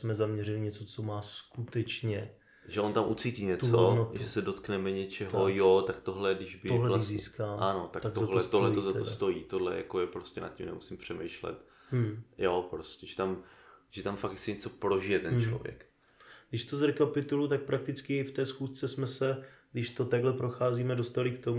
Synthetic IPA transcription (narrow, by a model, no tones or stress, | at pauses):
smɛzamɲɛrɪlɪɲɛt͡sot͡somaːskut̪ɛt͡ʃɲɛ | ʒɛʔont̪amʔut͡siːciːɲɛt̪t͡sonoʒɛsɛdo̞t̪knɛmɛɲɛt͡ʃɛɦojot̪akt̪oɦlɛdɪʒbɪoɦlɛlasziːskaːanot̪ak̪t̪ak̪olɛst̪oɦlɛt̪ozat̪ost̪o̞jiːt̪odlɛ̰ja̰kojɛpɾoscɛna̰cimnɛ̰musimpr̝̥ɛmɛjʃlɛ̰t̪ | jopɾoscʲɛʒɛt̪amʒ̥ɛt̪amfakjasɪɲɛt͡so̞pɾo̞ʒɪjɛt̪ɛnt͡ʃlo̰vjɛ̰k | ɡdɪʃt̪ozɾɛkapɪt̪ulut̪ak̚pɾak̚t̪ɪt͡skɪft̪ɛːsxuːst͡sɛsmɛsɛɡdɪʃt̪o̞t̪aɡlɛpɾo̞xaːziːmɛdost̪alɪkt̪o̞mu